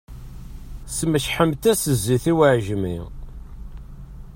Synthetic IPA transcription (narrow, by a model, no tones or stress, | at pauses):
sməʃħəmt̪æsəzːiθiwəʕʒmḭ